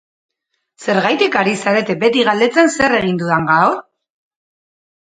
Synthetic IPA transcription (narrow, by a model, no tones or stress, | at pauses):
se̞ɾɣajt̪ikaɾisaɾe̞t̪e̞be̞t̪iɣ̞ald̪e̞t͡sense̞re̞ɣ̞ind̪uðaŋɡao